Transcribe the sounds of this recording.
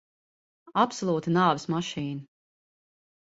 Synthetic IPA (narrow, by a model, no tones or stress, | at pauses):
apsɔlˠuːt̪inaːvɪsmaʃiːna